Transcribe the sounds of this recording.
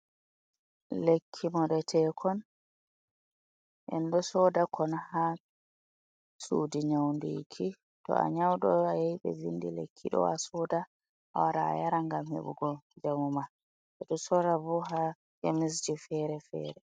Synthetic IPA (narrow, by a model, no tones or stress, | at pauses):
lekʰːimɔɗɛtʰɛkʰɔn | ʔɛ̰ndɔsɔdakʰɔnha | suːdiɲawndḭkʰi | tɔ̰a̰ɲawɗɔajaiɓɛ̰vindilḛkʰːiɗɔ̰a̰sɔːda | ʔawaɾaa̰jaɾaŋɡamhḛɓṵɡɔd͡ʒamuma | ɛɗɔsɔɾabɔɦa | kemis̬d͡ʒifɛɾɛfɛ̰ːɾɛ